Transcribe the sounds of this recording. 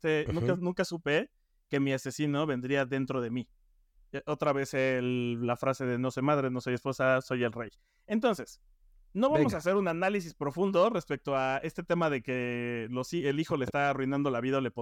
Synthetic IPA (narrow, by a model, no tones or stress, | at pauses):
t̪enũknũŋkasupe̞ | ke̞miase̞sino̞βe̞nd̪ɾiaðe̞nt̪ɾo̞ðe̞mi | ʔo̞t̪ɾaβe̞selːafɾase̞ðeno̞so̞jmað̞ɾe̞no̞so̞jespo̞saso̞je̞lrej | ent̪o̞nse̞s | no̞βamo̞s̬ase̞ɾunanalis̬ispɾo̞fũnd̪o̞re̞spe̞k̚t̪o̞ae̞st̪e̞t̪e̞maðe̞ke̞lo̞sielixo̞leːst̪aːrujnãnd̪o̞laβiðaolepo